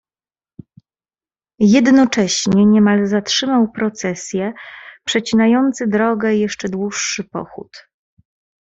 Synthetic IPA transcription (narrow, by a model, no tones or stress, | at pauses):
jɛd̪nɔt͡ʂɛɕɲɛɲɛmalzatʂɘmawpɾɔt̪sɛsʲjɛpʂɛt͡ɕinajɔnt̪sɘd̪ɾɔɡɛjɛʂt͡ʂɛd̪wuʂːɘpɔ̰xṵt̪